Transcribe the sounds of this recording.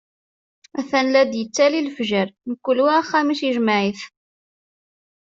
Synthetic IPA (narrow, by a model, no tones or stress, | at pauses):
æθænlæd̪jət͡sːælilfʒəɾnəkʷːulwiχːæmiʃjəʒməʕiθ